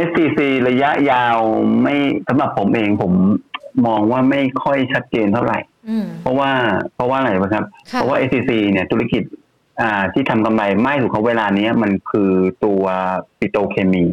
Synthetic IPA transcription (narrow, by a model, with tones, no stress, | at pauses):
ʔe˦˥stiː˧siː˧ɾa˧ja˦˥ʔjaː˧wma˥˩jsa˩˦mɾa˨˩pʰːo˩˦mʔeː˧ŋpʰo˩˦mːɔː˧ŋwaː˥˩ma˥˩jkʰɔ˥˩jt͡ɕʰa˦˥t̪̚t͡ɕeː˧nt̪ʰa˥˩wɾa̰˨˩jpʰɔ˦˥waː˥˩pʰɔ˦˥waː˥˩˧ɾa˧˩jpaː˧˩nkʰa˦˥p̚ʰːɔ˦˥waː˥ʔe˦˥iː˧siː˧ni˥˩t̪ʰu˦˥la˦˥˩ki˨˩t̪̚ | ʔaː˨˩t̪ʰiː˥˩t̪ʰa˧mka˧mla˧jmaː˥˩su˨˩kʰa˦˥weː˧laː˧ni˦˥ɐma˧nkʰɯː˧t̪u˧ɐpi˨˧t̪oː˧kʰeː˧miː˧˩